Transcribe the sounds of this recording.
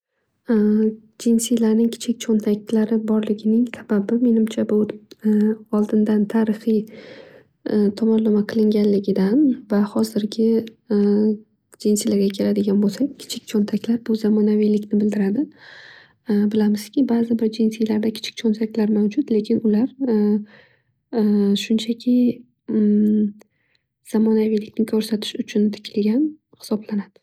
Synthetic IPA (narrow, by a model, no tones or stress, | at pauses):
d͡ʒinsijlaɾnɪŋkʲʰɪ̥t͡ʃʰɪk̚ʲt͡ʃʰont̪ʰak̚ʲlaɾɪbɒɾlɪɡʲɪnɪŋsababɪme̞nɪmt͡ʃʰabʊ | ɒlˠd̪ɪnd̪ant̪ʰaːɾɨχij | t̪ʰɒmɒnːamaqʰɨlˠɪŋɡʲanlɪɡʲɪd̪anvahɒzɪɾɡʲɪ | d͡ʒɪnsɪjlaɾɡʲakʲʰe̞lad̪ɪɡʲanbolˠsakkʲʰɪ̥t͡ʃʰɪk̚ʲt͡ʃʰont̪ʰakʲʰlaɾbʊzamɒnavijlɪkʲnɪbɪld̪ɪɾad̪ɪ | bɪlamɪz̥kʲɪbazɪbɪɾd͡ʒinsilaɾd̪akʲʰɪ̥t͡ʃʰɪ̥kʲt͡ʃʰɒnt̪ʰakʲʰlaɾmawd͡ʒʊt̪le̞kʲʰɪnʊlaɾ | ʃʊnt͡ʃʰakʲʰɪ | z̥amɒnavijlɪkʲnɪkʰɒɾsat̪ʰɪ̥ʃʊt͡ʃʰʊnt̪ʰɪ̥kʲʰɪlɡʲan | hɪ̥sɒblanad̪̥ɪ